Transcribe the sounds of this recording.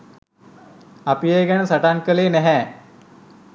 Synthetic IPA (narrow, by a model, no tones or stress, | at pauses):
apijeɡænəsaʈankəleːnɛɦɛː